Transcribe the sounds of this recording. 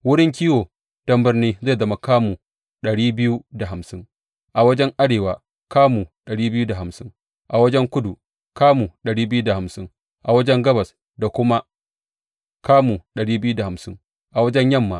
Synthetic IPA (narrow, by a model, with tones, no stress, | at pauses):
wʊ˦ɽɪ˦ŋk̬ʲiː˦woː˨ | d̥ɐ˦mbɪ˦rniː˦zeː˦˨zɐ˦ma˨kaː˦muː˨ | ɗɐ˨ɽiː˦bɪ˦ju˦da˨ɦa˨msɪ˦ŋ | ʔa˨wɐ˦d͡ʒɛ˦ŋʔa˦ɽeː˨waː˨ | kaː˦mu˨ɗɐ˨ɽiː˦bɪ˦juː˦da˨ha˨msɪ˦ŋ | ʔa˨wɐ˦d͡ʒɛ˦ŋkʷʊ˦du˨ | kaː˦mu˨ɗɐ˨ɽiː˦bɪ˦ju˦da˨ha˨msɪ˦ŋ | ʔa˨wɐ˦d͡ʒɛ˦ŋɡɐ˦bɐ˨s | da˨kʷʊ˦ma˦ | kaː˦mu˨ɗɐ˨ɽiː˦bɪ˦ju˦da˨ha˨msɪ˦ŋ | ʔa˨wɐ˦d͡ʒɛ˦ɲjɐ˦˨mːaː˨